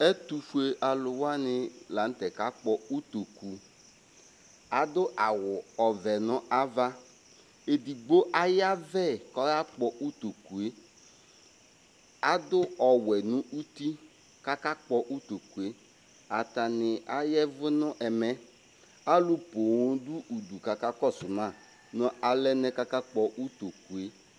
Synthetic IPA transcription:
ɛ˦tu˨fu˦e˨ʔa˨lʊ˨wa˦nɪ˨la˨n̩˦tɛ˨ka˦k͡pɔ˦u˦to˨ku˨ | a˨dʊ˦ʔa˨wʊ˨ɔ˨vɛ˨nʊ̃˦a˦va˦ | e˨di˨ɡ͡bo˦ʔa˦ja˦vɛ˦˨kɔ˦ja˦k͡pɔ˨u˦to˨ku˨e˦ | a˦dʊ˦ɔ˨wɛ˨nʊ̃˦ʔu˦ti˦ | ka˦ka˦k͡pɔ˨ʔu˦to˨ku˨e˦ | a˨ta˨nɪ˨a˦jɛ˦vʊ˦nʊ̃˦ʔɛ˨mɛ˦ | a˦lʊ˦po˨wõ˦du˦ʔu˨du˨ka˨ka˦kɔ˦˨sʊ˨nã˦˨ | nʊ̃˦a˨lɛ˦nɛ˦ka˦ka˦k͡pɔ˨ʔu˦to˨ku˨e˨˦

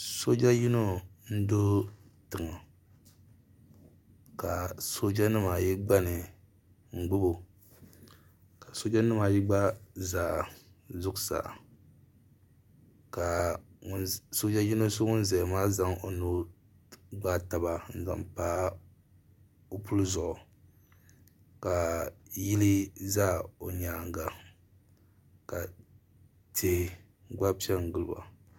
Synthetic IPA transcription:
so˦d͡ʒa˦ji˦no˦n̩˦do˦tɨ˨ŋa˨ | ka˨so˦d͡ʒa˦nɨ˦maː˨ji˦ɡ͡ba˦nɨ˨ | ŋ̩˨ɡ͡bʊ˦bo˨ | ka˨so˦d͡ʒa˦nɨ˦maː˨ji˦ɡ͡ba˦zaː˨ | zʊ˦ksa̰˨ | ka˨ŋ˦so˦d͡ʒa˦ji˦no˦so˦ŋʊ˦nzɛ˨maː˦za˦ŋo˨nu˦ | ɡ͡ba˦ta˨ba˦n̩˨za̰˨mpaː˦ | o˦pu˦lzɔ˨ʔ | ka˨ji˦li˦zaː˦o˨ɲaː˨ŋ˦ɡa˨ | ka˨ | tʰe˨ | ɡ͡ba˦pi˦ɛ˦ŋ˨ɡɨ˦lɨ˨ba̰˨

